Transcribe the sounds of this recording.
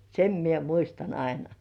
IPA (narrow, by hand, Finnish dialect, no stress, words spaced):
sem mie muistɑn ɑinɑ